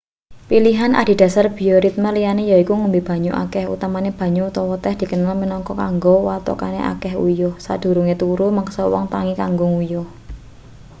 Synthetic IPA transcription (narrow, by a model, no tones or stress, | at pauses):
piliɦanʔa̰d̪̥i̤d̥̪ä̤sarb̥i̤ɔɾit̪̚malijanejɔikuŋumbib̥a̤ɲuʔa̰kɛhṵt̪amaneb̥ä̤ɲuut̪ɔwɔt̪ɛhd̪̥i̤kənalminɔŋkɔkaŋɡɔwat̪ɔ̰ka̰nḛʔa̰kɛhṵjɔsa̰d̪̥ṳɾuŋet̪uɾuməksɔwɔ̰ŋt̪aŋikaŋɡʊŋujɔ